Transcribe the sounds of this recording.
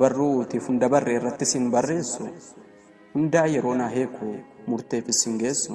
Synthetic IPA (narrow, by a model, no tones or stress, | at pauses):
bɐrːuːt̪ɪfʊnd̪ɐbɐrːeɪrːɐt̪ːɪsɪnbɐrːe̞ːsːʊ | hʊnd̪aːjɛɾo̞ːnaːɦeːkʰːʊmʊɾt̪eːfɪsɪŋɡe̞ːsːʊ